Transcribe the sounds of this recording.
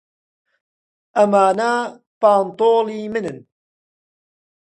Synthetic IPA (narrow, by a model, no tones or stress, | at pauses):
ɐmaːna | paːnt̪oːliːmɨnɨn